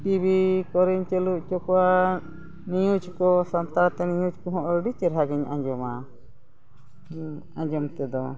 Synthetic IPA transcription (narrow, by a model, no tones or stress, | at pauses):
ʈibikɔɾɛɲt͡ʃeluʔt͡ʃɔkɔa | nijut͡ʃkɔsɔnt̪aɾt̪ɛnijut͡ʃkɔɦɔ̃ʔɖit͡ʃɛɾɦaɡɛɲã̰ɲd͡ʒɔma | ãɲd͡ʒɔmt̪ɛd̪ɔ